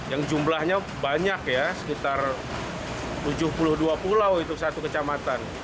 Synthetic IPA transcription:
jaŋd͡ʒumlahɲa | baɲakjasə̥kit̪ar | t̪ud͡ʒʊhpulʊhduapulawit̪usat̪ukət͡ʃamat̪an

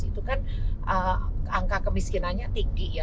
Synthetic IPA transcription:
it̪ukanʔəaŋkakəmiskinanɲat̪iŋɡija

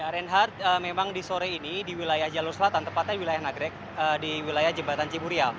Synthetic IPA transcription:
jaɾɛnɦart̪̚əmemaŋdisoɾeinidiwilajahd͡ʒalursəlat̪ant̪əmpat̪̚ɲadiwilajahnaɡɾɛk̚ | ədiwilajahd͡ʒəbat̪ant͡ʃibuɾial

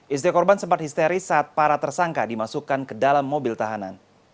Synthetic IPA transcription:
ʔist̪ikɔrbansəmpat̪̚hist̪eɾisaːt̪̚paɾat̪ərsaŋkadimasukankədalamːobɪlt̪aɦana̰n

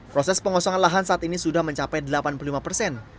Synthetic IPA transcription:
pɾosɛspəŋɔsɔŋanlaɦansaʔat̪inisudahməɲt͡ʃapɛjdəlapanpulolimapərsɛn

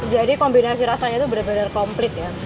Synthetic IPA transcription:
d͡ʒadikɔmbinasiɾasaɲat̪ubəɾarbənarkɔmplɪt̪̚ja

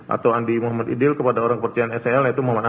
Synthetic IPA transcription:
ʔa̰t̪awandimuɦamad̪ḭdɪlkəpadaoɾaŋkəpərt͡ʃianɛsɛɛljait̪umoamana

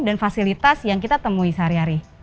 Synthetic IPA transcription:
danfasilit̪asjaŋkit̪at̪əmuisaaɾiɦaɾi

